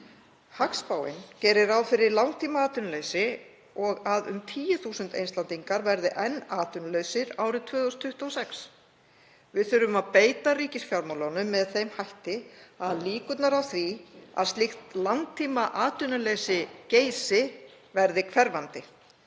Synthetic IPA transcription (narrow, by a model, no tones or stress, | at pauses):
hakspaːwɪ̰ncɛːɾɪɾawfɪɾɪɾlawŋt̪ʰiːmaaːt̪ʏnʏlesɪ | ɔɣaðʏ̰mt̪ʰiːjʏθuːsʏnt̪ḛjnslant̪iŋkaɾvɛɾðɪʔɛnːaːt̪ʏnlœɥsɪɾaːwɾɪðt̪ʰvœːðɔst̪ʰːʏht̪uɔsɛks | vɪðθʏɾʏmaðpeːjt̪ariːcɪsfjawɾmawlanʏmːɛðθejmhajht̪ɪaðliːkʏt̪naɾawθɾia̰ðst̪lɪxt̪lawŋt̪ʰiːmaʔaːt̪ʏnʏlesɪceːjsɪ | vɛɾðɪkʰvɛɾvant̪ɪ